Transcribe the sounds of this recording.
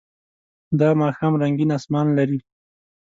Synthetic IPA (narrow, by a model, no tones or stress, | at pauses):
d̪ɑmɑxɑmɾaŋɡinɑsmɑnlaɾi